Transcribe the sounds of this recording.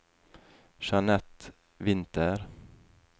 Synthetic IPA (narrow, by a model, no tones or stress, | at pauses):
ʃɑnɛt̪ | ʋɪnt̪əɾ